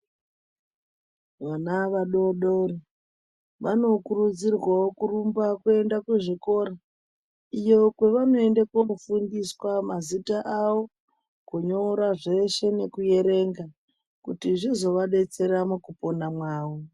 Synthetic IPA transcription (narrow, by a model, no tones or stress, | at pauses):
ʋanaʋaɗo̞ɗoɾi | ʋano̞kurud͡zirwaokurumbakue̞ndakuʐiko̞ːɾa | ijo̞kwe̞ʋano̞endekofundiswamazitaʔawo̞ | kuɲoɾaʐe̞ʃe̞ne̞kuje̞ɾe̞ŋɡa | kutiʐizo̞ʋaɗe̞t͡se̞ɾamukupo̞namwaːwo